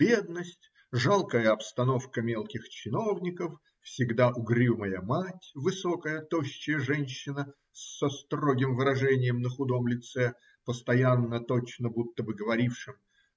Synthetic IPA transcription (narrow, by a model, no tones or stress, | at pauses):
bʲe̞d̪nəsʲtʲ | ʐalˠkəjəɐpst̪ɐno̞fkəmʲelˠkʲɪxt͡ɕɪno̞vnʲɪkəf | fsʲɪɡd̪aʔʊɡɾʲiməjəmatʲvɨso̞kəjət̪oɕːɪjəʐɛnʲɕːɪnə | sɐst̪roɡʲɪmvɨɾɐʐɛnʲɪjəmnəxʊd̪o̞mlʲɪt̪sɛ | pəst̪ɐjanːət̪o̞t͡ɕnəbut̪ːəbɨɡəvɐɾʲifʂɨm